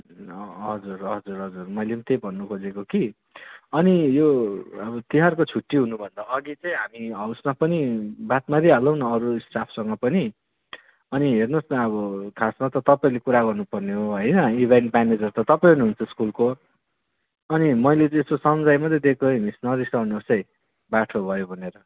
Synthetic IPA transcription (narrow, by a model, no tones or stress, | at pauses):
ʌɦʌd͡zurɦʌd͡zurɦʌd͡zurmʌjlemt̪ejbʱʌnːukʰod͡zekoki | ʌnijoʌbʌt̪iɦarkot͡sʰuʈːiɦunubʱʌnd̪aʌɡit͡sʌj̃ɦamiʌwsmapʌnibat̪maɾiɦalʌwnʌːɾusʈapʰsʌŋɡʌpʌni | ʌniɦernosnaʌbʌkʰasmat̪ʌt̪ʌpaĩlekuɾaɡʌrnupʌrneɦoɦʌjnʌibʱeɳʈmaned͡zʌrt̪ʌt̪ʌpaĩuniɦunt͡sʰʌskulko | ʌnimʌjlet͡sːsosʌmd͡zajmʌd̪ed̪ekʰomisnʌɾisʌnosʌj̃ | baʈʰobʱʌjobʱʌneɾʌ